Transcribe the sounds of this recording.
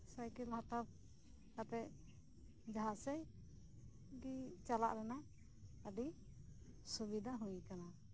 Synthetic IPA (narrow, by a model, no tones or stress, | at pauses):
sajkilhat̪ap̚ | kat̪ɛʔ | d͡ʒaɦasɛj | ɡit͡ʃala̰ʔɾɛna | əɖi | subid̪ʱaɦũjkana